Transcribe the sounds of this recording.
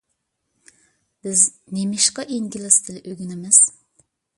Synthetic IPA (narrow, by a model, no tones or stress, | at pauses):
b̥ɪznemɪʃqɑʔiŋɡʲɪlɪsd̪ʰɪlɪʔøɡʲynɪmɪz̥